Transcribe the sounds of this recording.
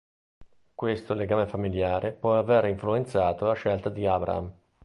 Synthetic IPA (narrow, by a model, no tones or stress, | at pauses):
kwest̪oleɡaːmefamiljaːɾʔepwɔaveriɱfluent̪saːt̪olaʃɛlt̪ad̪iaːbɾa̰a̰m